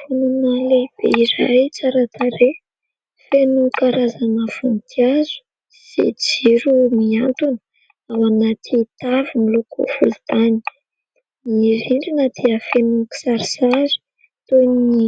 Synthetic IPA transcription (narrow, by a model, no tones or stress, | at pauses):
fununaleb̥ḛiɾa̰jt͡saɾat̪aɾe | fenukaɾazanəv̥ont̪ʰiazu̥ | z̥ḛd͡ziɾumiant̪unə̥ | awanat̪ʰit̪avimilukʰo̰fṵlud̪ani̥ | niɾiɳɖ͡ʐinəd̪̥eəfenuki̥saɾisaɾi̥ | t̪oni